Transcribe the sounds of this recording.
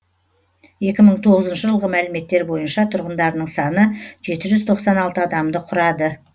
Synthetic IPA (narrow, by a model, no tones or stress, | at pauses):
je̞kʲɪməɴt̪ʰo̞ʁəzənʃəʒəlˠʁəmælɪme̞t̪ːe̞ɾbo̞jənʃɑt̪ʰʊɾʁənd̪ɑɾnəɴsɑnəʒe̞t̪ɪʒʏzt̪ʰo̞qsɑnɑlˠt̪əɑd̪ɑmd̪əqʰʊɾɑd̪ə